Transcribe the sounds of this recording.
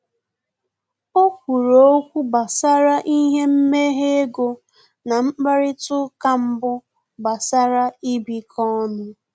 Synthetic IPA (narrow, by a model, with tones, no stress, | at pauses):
o˦kʷu˨ɾo˨o˦kʷu˦ba˨sa˦ɾa˦ʔi˦ɦe˦m̩˦me˦ɦe˦e˦ɡo˦ | na˨m̩˦ɡ͡ba˦ɾɪ˦tʊ˦ka˦m̩˦bʊ˦ | ba˨sa˦ɾa˦i˦bi˨kʰɔ˦nʊ˦